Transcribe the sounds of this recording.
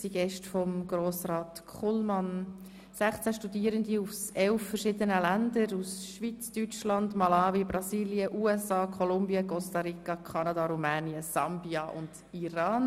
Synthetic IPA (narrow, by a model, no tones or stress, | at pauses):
siɡ̥ɛʃtfɔmɡ̥ɾoːsrɑːtkʰχulmɑn | sæχt͡sæʃtudiəɾəndiusɛlfːəɾʃɪdənəlændəɾusʃʋit͡styt͡ʃlɑndmɑlɑːvibɾɑsiːliəʔuːɛsɑːkʰɔlʊmbiəkɔstɑɾikɑkʰɑnɑdɑɾumɛːniəsɑmbiɑʔʊ̰nd | iɾɑːn